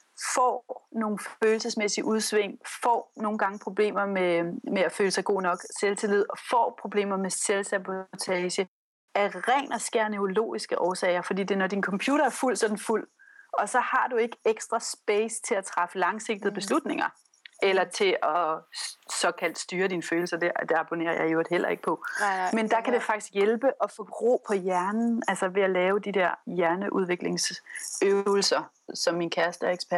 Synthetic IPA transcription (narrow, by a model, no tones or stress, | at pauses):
fɒ̰no̝ːn̩føːl̩səsmesiʔuð̞ˠsʋeŋ̰fɒ̰ːno̝ːn̩ɡ̥ɑ̈ŋəpʰʁo̝b̥le̝̰ːmɐmemeæføːləsɑɪɡ̥o̝̰ːnɒ̽ɡ̥selt͡sʰelið̞̰ˠɒ̽fɒ̰ːpʰʁo̝b̥le̝̰ːmɐmeselsæbot͡sʰɛːɕə | æʁɛːnɐsɡ̥æɐneolo̝̰ːisɡ̥əʔɒːsɛ̰ɪɐfɒd̥ḭːd̥e̝nɒd̥inkʰɒ̽mpʰjuːɾɐæɐful̰sɒ̽d̥n̩ful̰ | ɒ̽sɒ̽hɑ̈d̥ue̝ɡ̥əeɡ̥sd̥ʁɐsb̥eɪst͡sʰe̝æt͡sʰʁɑfəlɑ̈ŋse̝ɡ̥̚d̥ð̩ˠb̥e̝slud̥ne̝ŋɐ | elɐt͡sʰe̝ʔɒ̽ | sɒ̽kʰæl̰d̥sd̥yːɐd̥inføːl̩sɐd̥ed̥e̝ɑ̈b̥o̝ne̝̰ːɐjɑ̈ɪod̥hel̰ʔɐ̰e̝ɡ̥əpʰɒ̽mend̥ɑ̈kʰæd̥e̝fɑ̈ɡ̥i̥sɡ̥jelb̥əʔɒ̽fɒ̽b̥ʁo̝̰ːpʰɒ̽jæɐnn̩ælsɐʋe̝ælɛːʊd̥id̥eɐ̰jæɐnəʔuð̞ˠʋe̝ɡ̥le̝ŋsøʊl̩sɐ | sɒ̽mːinkʰæɐsd̥əeɡ̥spʰæɐ